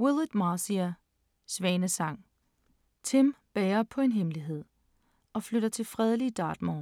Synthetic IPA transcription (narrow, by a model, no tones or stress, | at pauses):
wulˠid̥mɑːsiæ | sʋɛːnəsɑ̈ŋ̰ | t͡sʰemb̥ɛːɐpʰɒ̽e̝nɦemliɦe̝ð̞̰ˠ | ɒ̽fløɾ̥ɐt͡sʰe̝lfʁɛð̞ˠliəd̥ɑ̈ːd̥mɒː